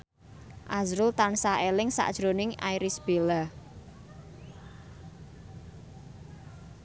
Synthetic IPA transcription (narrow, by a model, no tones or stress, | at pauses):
ʔazɾʊlt̪ansaʔelɪŋsa̰ʔd̥ʒ̥ɾonɪŋa̰jɾɪsb̥ela